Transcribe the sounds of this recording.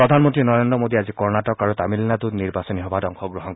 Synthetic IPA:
ɔd̪ʱanmɔntɹinɔɹendɹɔmod̪iazikɔɹnatɔkaɹut̪amilnat̪uniɹbasɔniɦɔbadɔŋxɔɡɹɔɦɔn

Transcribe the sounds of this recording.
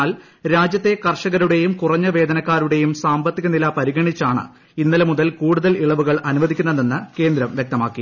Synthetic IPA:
aːl | ɾaːd͡ʑjɐt̪ːe̞kɐrʂɐɣɐɾuɽe̞jumkurɐɲːɐʋe̞ːd̪ɐnɐkːaːɾuɽe̞jumsaːmbɐt̪ːiɣɐnilaːpɐɾiɣɐɳit͡ɕːaːɳɨ̰ | inːɐlɐmuðɐlkuːɽuðɐliɭɐʋuɣɐɭɐnuʋɐðikʲːunːɐðenːɨke̞ːnd̪ɾɐmʋjek̚t̪ɐmaːkːi

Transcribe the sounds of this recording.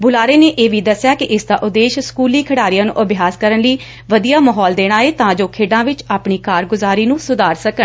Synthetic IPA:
bʊlaːɾeːneːʔeːʋiːd̪əsːjaːkɪʔɪsd̪ãːʔʊd̪eːʃskuːliːkʰəɽaːɾijãːnṵ̃ːʔəbɪjaːskəɾənləiː | ʋəd̪ijaːməɦɔːld̪eːɽ̃aːeːt̪ãːd͡ʒoːkʰeːɖãːʋɪt͡ʃaːpɳiːkaːɾɡʊzaːɾiːnũːsʊd̪aːɾsəkəɳ

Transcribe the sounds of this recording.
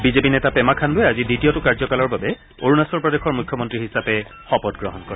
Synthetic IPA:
bizepinɛtapɛmakʰandʊɛaziditiɔtʊkaɹzɔkalɔɹbabɛ | oɹunasɔɹpɹɔdexɔɹmukʰjɔmɔntɹiɦisapɛ | xɔpɔtɡɹɔɦɔnkɔɹɛ

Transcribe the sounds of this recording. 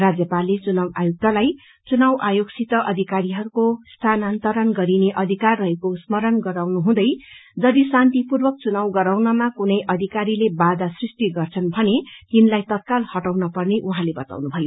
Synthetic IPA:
rad͡zjʌpalːet͡sunawa̰juk̚t̪alaj | t͡sunawʔajoɡsit̪ʌʔʌd̪ʱikaɾiɦʌɾukost̪ʰanant̪ʌɾʌnɡʌɾineʔʌd̪ʱikarrʌɦekosmʌɾʌnɡʌɾawnuɦũd̪ʌjd͡zʌd̪isant̪ipurbʌk̚t͡sunawɡʌɾawnʌmakunʌjʔʌd̪ʱikaɾilebad̪asrisʈ̪iɡʌrt͡sʰʌnbʱʌnet̪inlajt̪ʌt̪̚kalhʌʈawnʌpʌrneʔuɦãlebʌt̪a̰wnubʱʌjo

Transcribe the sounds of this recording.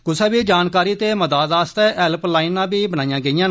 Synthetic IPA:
kʊsɛːbiːd͡ʒaːnkaːɾiːt̪eːməd̪aːd̪aːst̪ɛːʔɛlplaːɪnːãːbiːbənaːijãːɡəijãːnː

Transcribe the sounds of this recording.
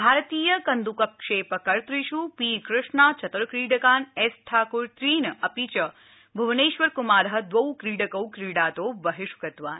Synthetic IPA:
bʱaːɾt̪iːjəkɐnd̪ukɐp̚kʂeːpəkɐɾt̪ɾiʃupiːkɾɪʂɳat͡ʃɐt̪ɐɾkɾiːɖɐkaːnesʈʰaːkuɾt̪ɾiːnɐpit͡ʃɐ | bʱɐʋneːʃʋɐɾkumaːɾɐɦɐ̆d̪ʋɐwkɾiːɖəkɐwkɾiːɽaːt̪oːbɐɦɪʃkɐt̪ʋaːn

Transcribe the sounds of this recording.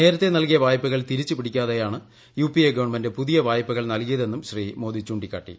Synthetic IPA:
ne̞ːɾɐt̪ːenɐlkijɐbaːjɐpːɐɣɐɭt̪iɾit͡ɕːɨpiɽikʲːaːðejaːɳɨ | juːpieɡɐʋɐɳmɐnde̞puðijɐʋaːjɐpːɐɣɐɭnɐlkijɐðe̞nːumɕriːmo̞ːd̪it͡ɕuːɳɖikʲːaːʈːḭ

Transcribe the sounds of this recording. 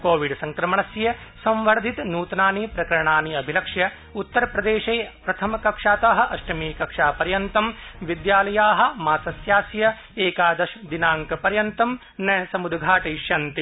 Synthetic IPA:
koːʋiɖsɐŋkɾɐmɐɳɐsjɐ | sɐ̃mʋɐɾd̪ʱit̪nuːt̪naːniːpɾɐkɐɾɐɳaːniɐbʱilɐkʂjɐ | ut̪ːɐɾɐpɾɐd̪eːʃeːpɾɐt̪ʰɐmɐkɐkʂaːt̪aːɦɐ̆ʔɐʃʈɐmiːkɐkʂaːpɐɾjɐnt̪ɐmʋid̪jaːlɐjaːɦɐ̆maːsɐsjaːsjɐ | eːkaːd̪ɐʃɐd̪inaːŋkɐpɐɾjɐnt̪ɐm | nɐɐsɐmud̪ɡʱaːʈɐjʃjɐnt̪i

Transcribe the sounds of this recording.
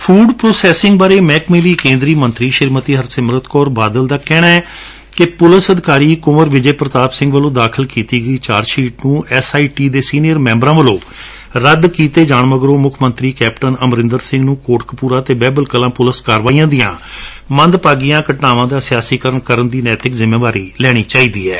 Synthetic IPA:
pʰuːɖpɾoːsɛːsɪ̃ŋɡbaːɾeːmɛːkmeliːkẽːnd̪ɾiːmənt̪ɾiːʃɪɾmət̪iːɦəɾsɪmɾət̪kɔːɾbaːd̪əld̪aːkɛːɽaːɛː | kɪpʊləsəd̪ɪkaːɾiːkʊməɾʋɪd͡ʒeːpɾət̪aːpsɪ̃ŋɡʋəlõːd̪aːkʰəlkiːt̪iːɡəiːt͡ʃaːɾʃiːʈ̚nũːɛsaːiːʈiːd̪eːsiːnijəɾmɛ̃ːmbɾãːʋəlõː | ɾəd̪kiːt̪eːd͡ʒaːɳməɡɾõːmʊkʰmənt̪ɾiːkɛːpʈənəmɾɪ̃nd̪əɾsɪ̃ŋɡnũːkoːʈkpuːɾãːt̪eːbɛːbəlkəlãːpʊləskaːɾʋaːijãːd̪ijãː | mənd̪paːɡijãːkəʈnaːʋãːd̪aːsɪjaːsiːkəɾəɳkəɾənd̪iːnɛːt̪ɪkzɪmeːʋaːɾiːlɛːɽ̃iːt͡ʃaːiːd̪iːɛː

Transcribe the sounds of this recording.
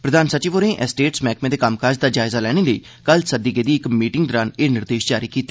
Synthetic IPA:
pɾəd̪aːnsat͡ʃiːʋoːɾẽːʔɛsʈeːʈsmɛːkmẽːd̪eːkamkaːd͡ʒd̪aːd͡ʒaːɪzaːlɛːɽ̃eːləḭː | kəlsəd̪iːkeːd̪iːɪkmiːʈɪŋɡ̚d̪ɔːɾaːneːnɪɾd̪eːʃd͡ʒaːɾiːkiːt̪ː

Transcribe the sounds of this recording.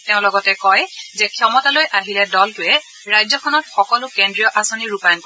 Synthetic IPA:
teʊ̃lɔɡɔtɛkɔjzɛkʰiɔmɔtalojʔaɦilɛdɔltʊɛ | ɹajzɔkʰɔnɔtxɔkɔlʊkendɹijɔʔasɔniɹupajɔnkɔ

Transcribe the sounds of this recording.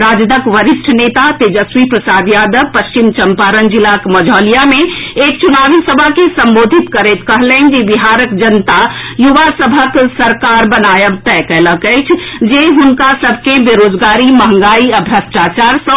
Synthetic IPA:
ɾaːd͡ʒd̪əkʋəɾiʃʈʰənet̪at̪ed͡ʒəswipɾəsaːd̪jaːd̪əʋpəst͡ʃimt͡ʃəmpaɾənd͡ʒilakməd͡ʒʱɔːlijamẽeːkt͡ʃunaːʋisəbʱakesəmboːd̪ʱit̪kəɾɛt̪kəɦlɛnd͡ʒibiɦaɾəkd͡ʒənt̪a | juʋasəbʱəksəɾkaɾbənajəbt̪ɛkɛɦləkət͡ʃʰd͡ʒeɦunkasəbʱkebeɾod͡ʒɡaːɾimɐɦə̃ŋɡaːiəbʱɾəsʈat͡ʃaɾsə̃

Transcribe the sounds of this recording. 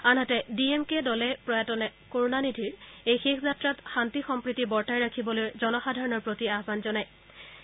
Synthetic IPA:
anɦatɛdiemkedɔlɛpɹɔjatɔnɛkoɹunanidʱiɹejxexʰzatɹatxantixɔmpɹitibɔɹtajɹakʰibɔlojzɔnɔxadʱaɹɔnɔɹpɹotiaɦbanzɔnaj

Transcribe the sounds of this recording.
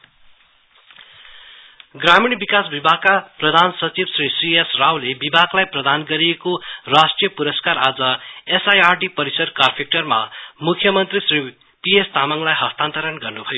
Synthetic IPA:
ɡramiɳbikasbibʱaɡ̚kaprʌd̪ʱansʌt͡sibsrisriesrawlebibʱaɡlajprʌd̪ʱanɡʌɾiekorasʈrijʌpuɾʌskaɾad͡zʌesajarɖipʌɾisʌd̪karpʰek̚ʈʌrma̰mukʰjʌmʌnt̪risri | piest̪amʌŋlajɦʌst̪ant̪ʌɾʌnɡʌrnubʱʌjo

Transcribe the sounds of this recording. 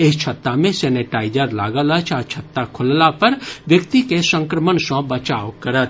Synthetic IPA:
ɪst͡ʃʰɐt̪ːamẽsɛːneʈaːɪd͡ʒəɾla̰ːɡələt͡ʃʰaːt͡ʃʰɐt̪ːakʰʊllapɐɾʋjəkt̪ikesə̃ŋkɾəmənsɔ̃bət͡ʃaːʋkɐɾət̪̚

